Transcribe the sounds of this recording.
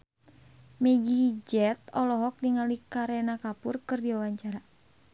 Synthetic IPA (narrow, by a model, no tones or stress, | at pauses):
mɛɡid͡ʒɛt̪ɔlɔɦɔk̚niŋalikaɾɛnakapurkɨrdiwawaɲt͡ʃaɾa